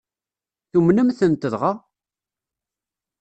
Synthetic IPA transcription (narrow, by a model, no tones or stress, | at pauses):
θumnəmθənt̪əðʁa